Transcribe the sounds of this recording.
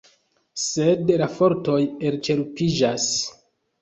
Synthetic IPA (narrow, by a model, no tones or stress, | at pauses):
sedlafo̞ɾto̞je̞lt͡ʃe̞ɾpid͡ʒas